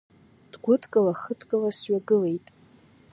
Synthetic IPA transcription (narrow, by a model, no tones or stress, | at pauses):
d̥ɡʷʊtʰkʼalaχətʰkʼalasɥaɡɨle̞jtʼ